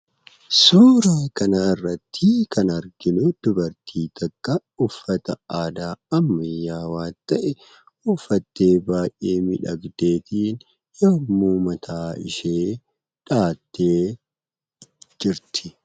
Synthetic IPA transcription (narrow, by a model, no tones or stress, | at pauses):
suːɾaːkɐnaːɪrːɐt̪ʰːɪkɐnɐɾɡɪnʊd̪̥ʊbɐɾt̪ʰiːt̪ɐkʼːɐ | ʊfːɐt̪ɐaːd̪aːɐmːɐjːaːwaːnt̪ɐʔɛ | ʊfːɐt̪ːeːbaːjʔʔeːmɪᶑɐɡd̪e̞ːt̪iːn | joːmuːmɐt̪ʰaːɪ̰ʃeː | ᶑaːt̪ːeː | d͡ʒɪɾt̪ʰɪ̥